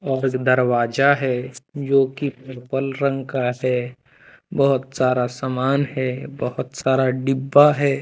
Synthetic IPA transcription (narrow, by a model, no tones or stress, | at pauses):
ɔːɾd̪əɾwaːd͡ʒaɦɛːd͡ʒoːkipeɾpəlɾə̃ŋɡkaɦɛ | bɔɦʊt̪saːɾasamaːnɦɛbɐɦʊt̪saːɾaɖɪbːaɦɛː